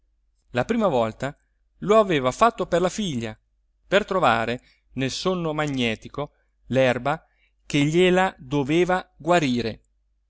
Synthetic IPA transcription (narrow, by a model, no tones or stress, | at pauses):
lapɾiːmavɔlt̪a | loaveːvafat̪ːoperlafiʎːa̰ | pert̪ɾova̰ːɾe | nelsonːomaɲːɛːt̪iko | lɛrba | k̟eʎːelad̪oveːvaɡwaɾiːɾe